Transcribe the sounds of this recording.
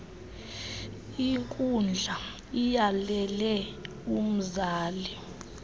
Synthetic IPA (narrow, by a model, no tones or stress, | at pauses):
iŋkʼund͡ɮʱa | ijalɛlɛ | um̩zaːli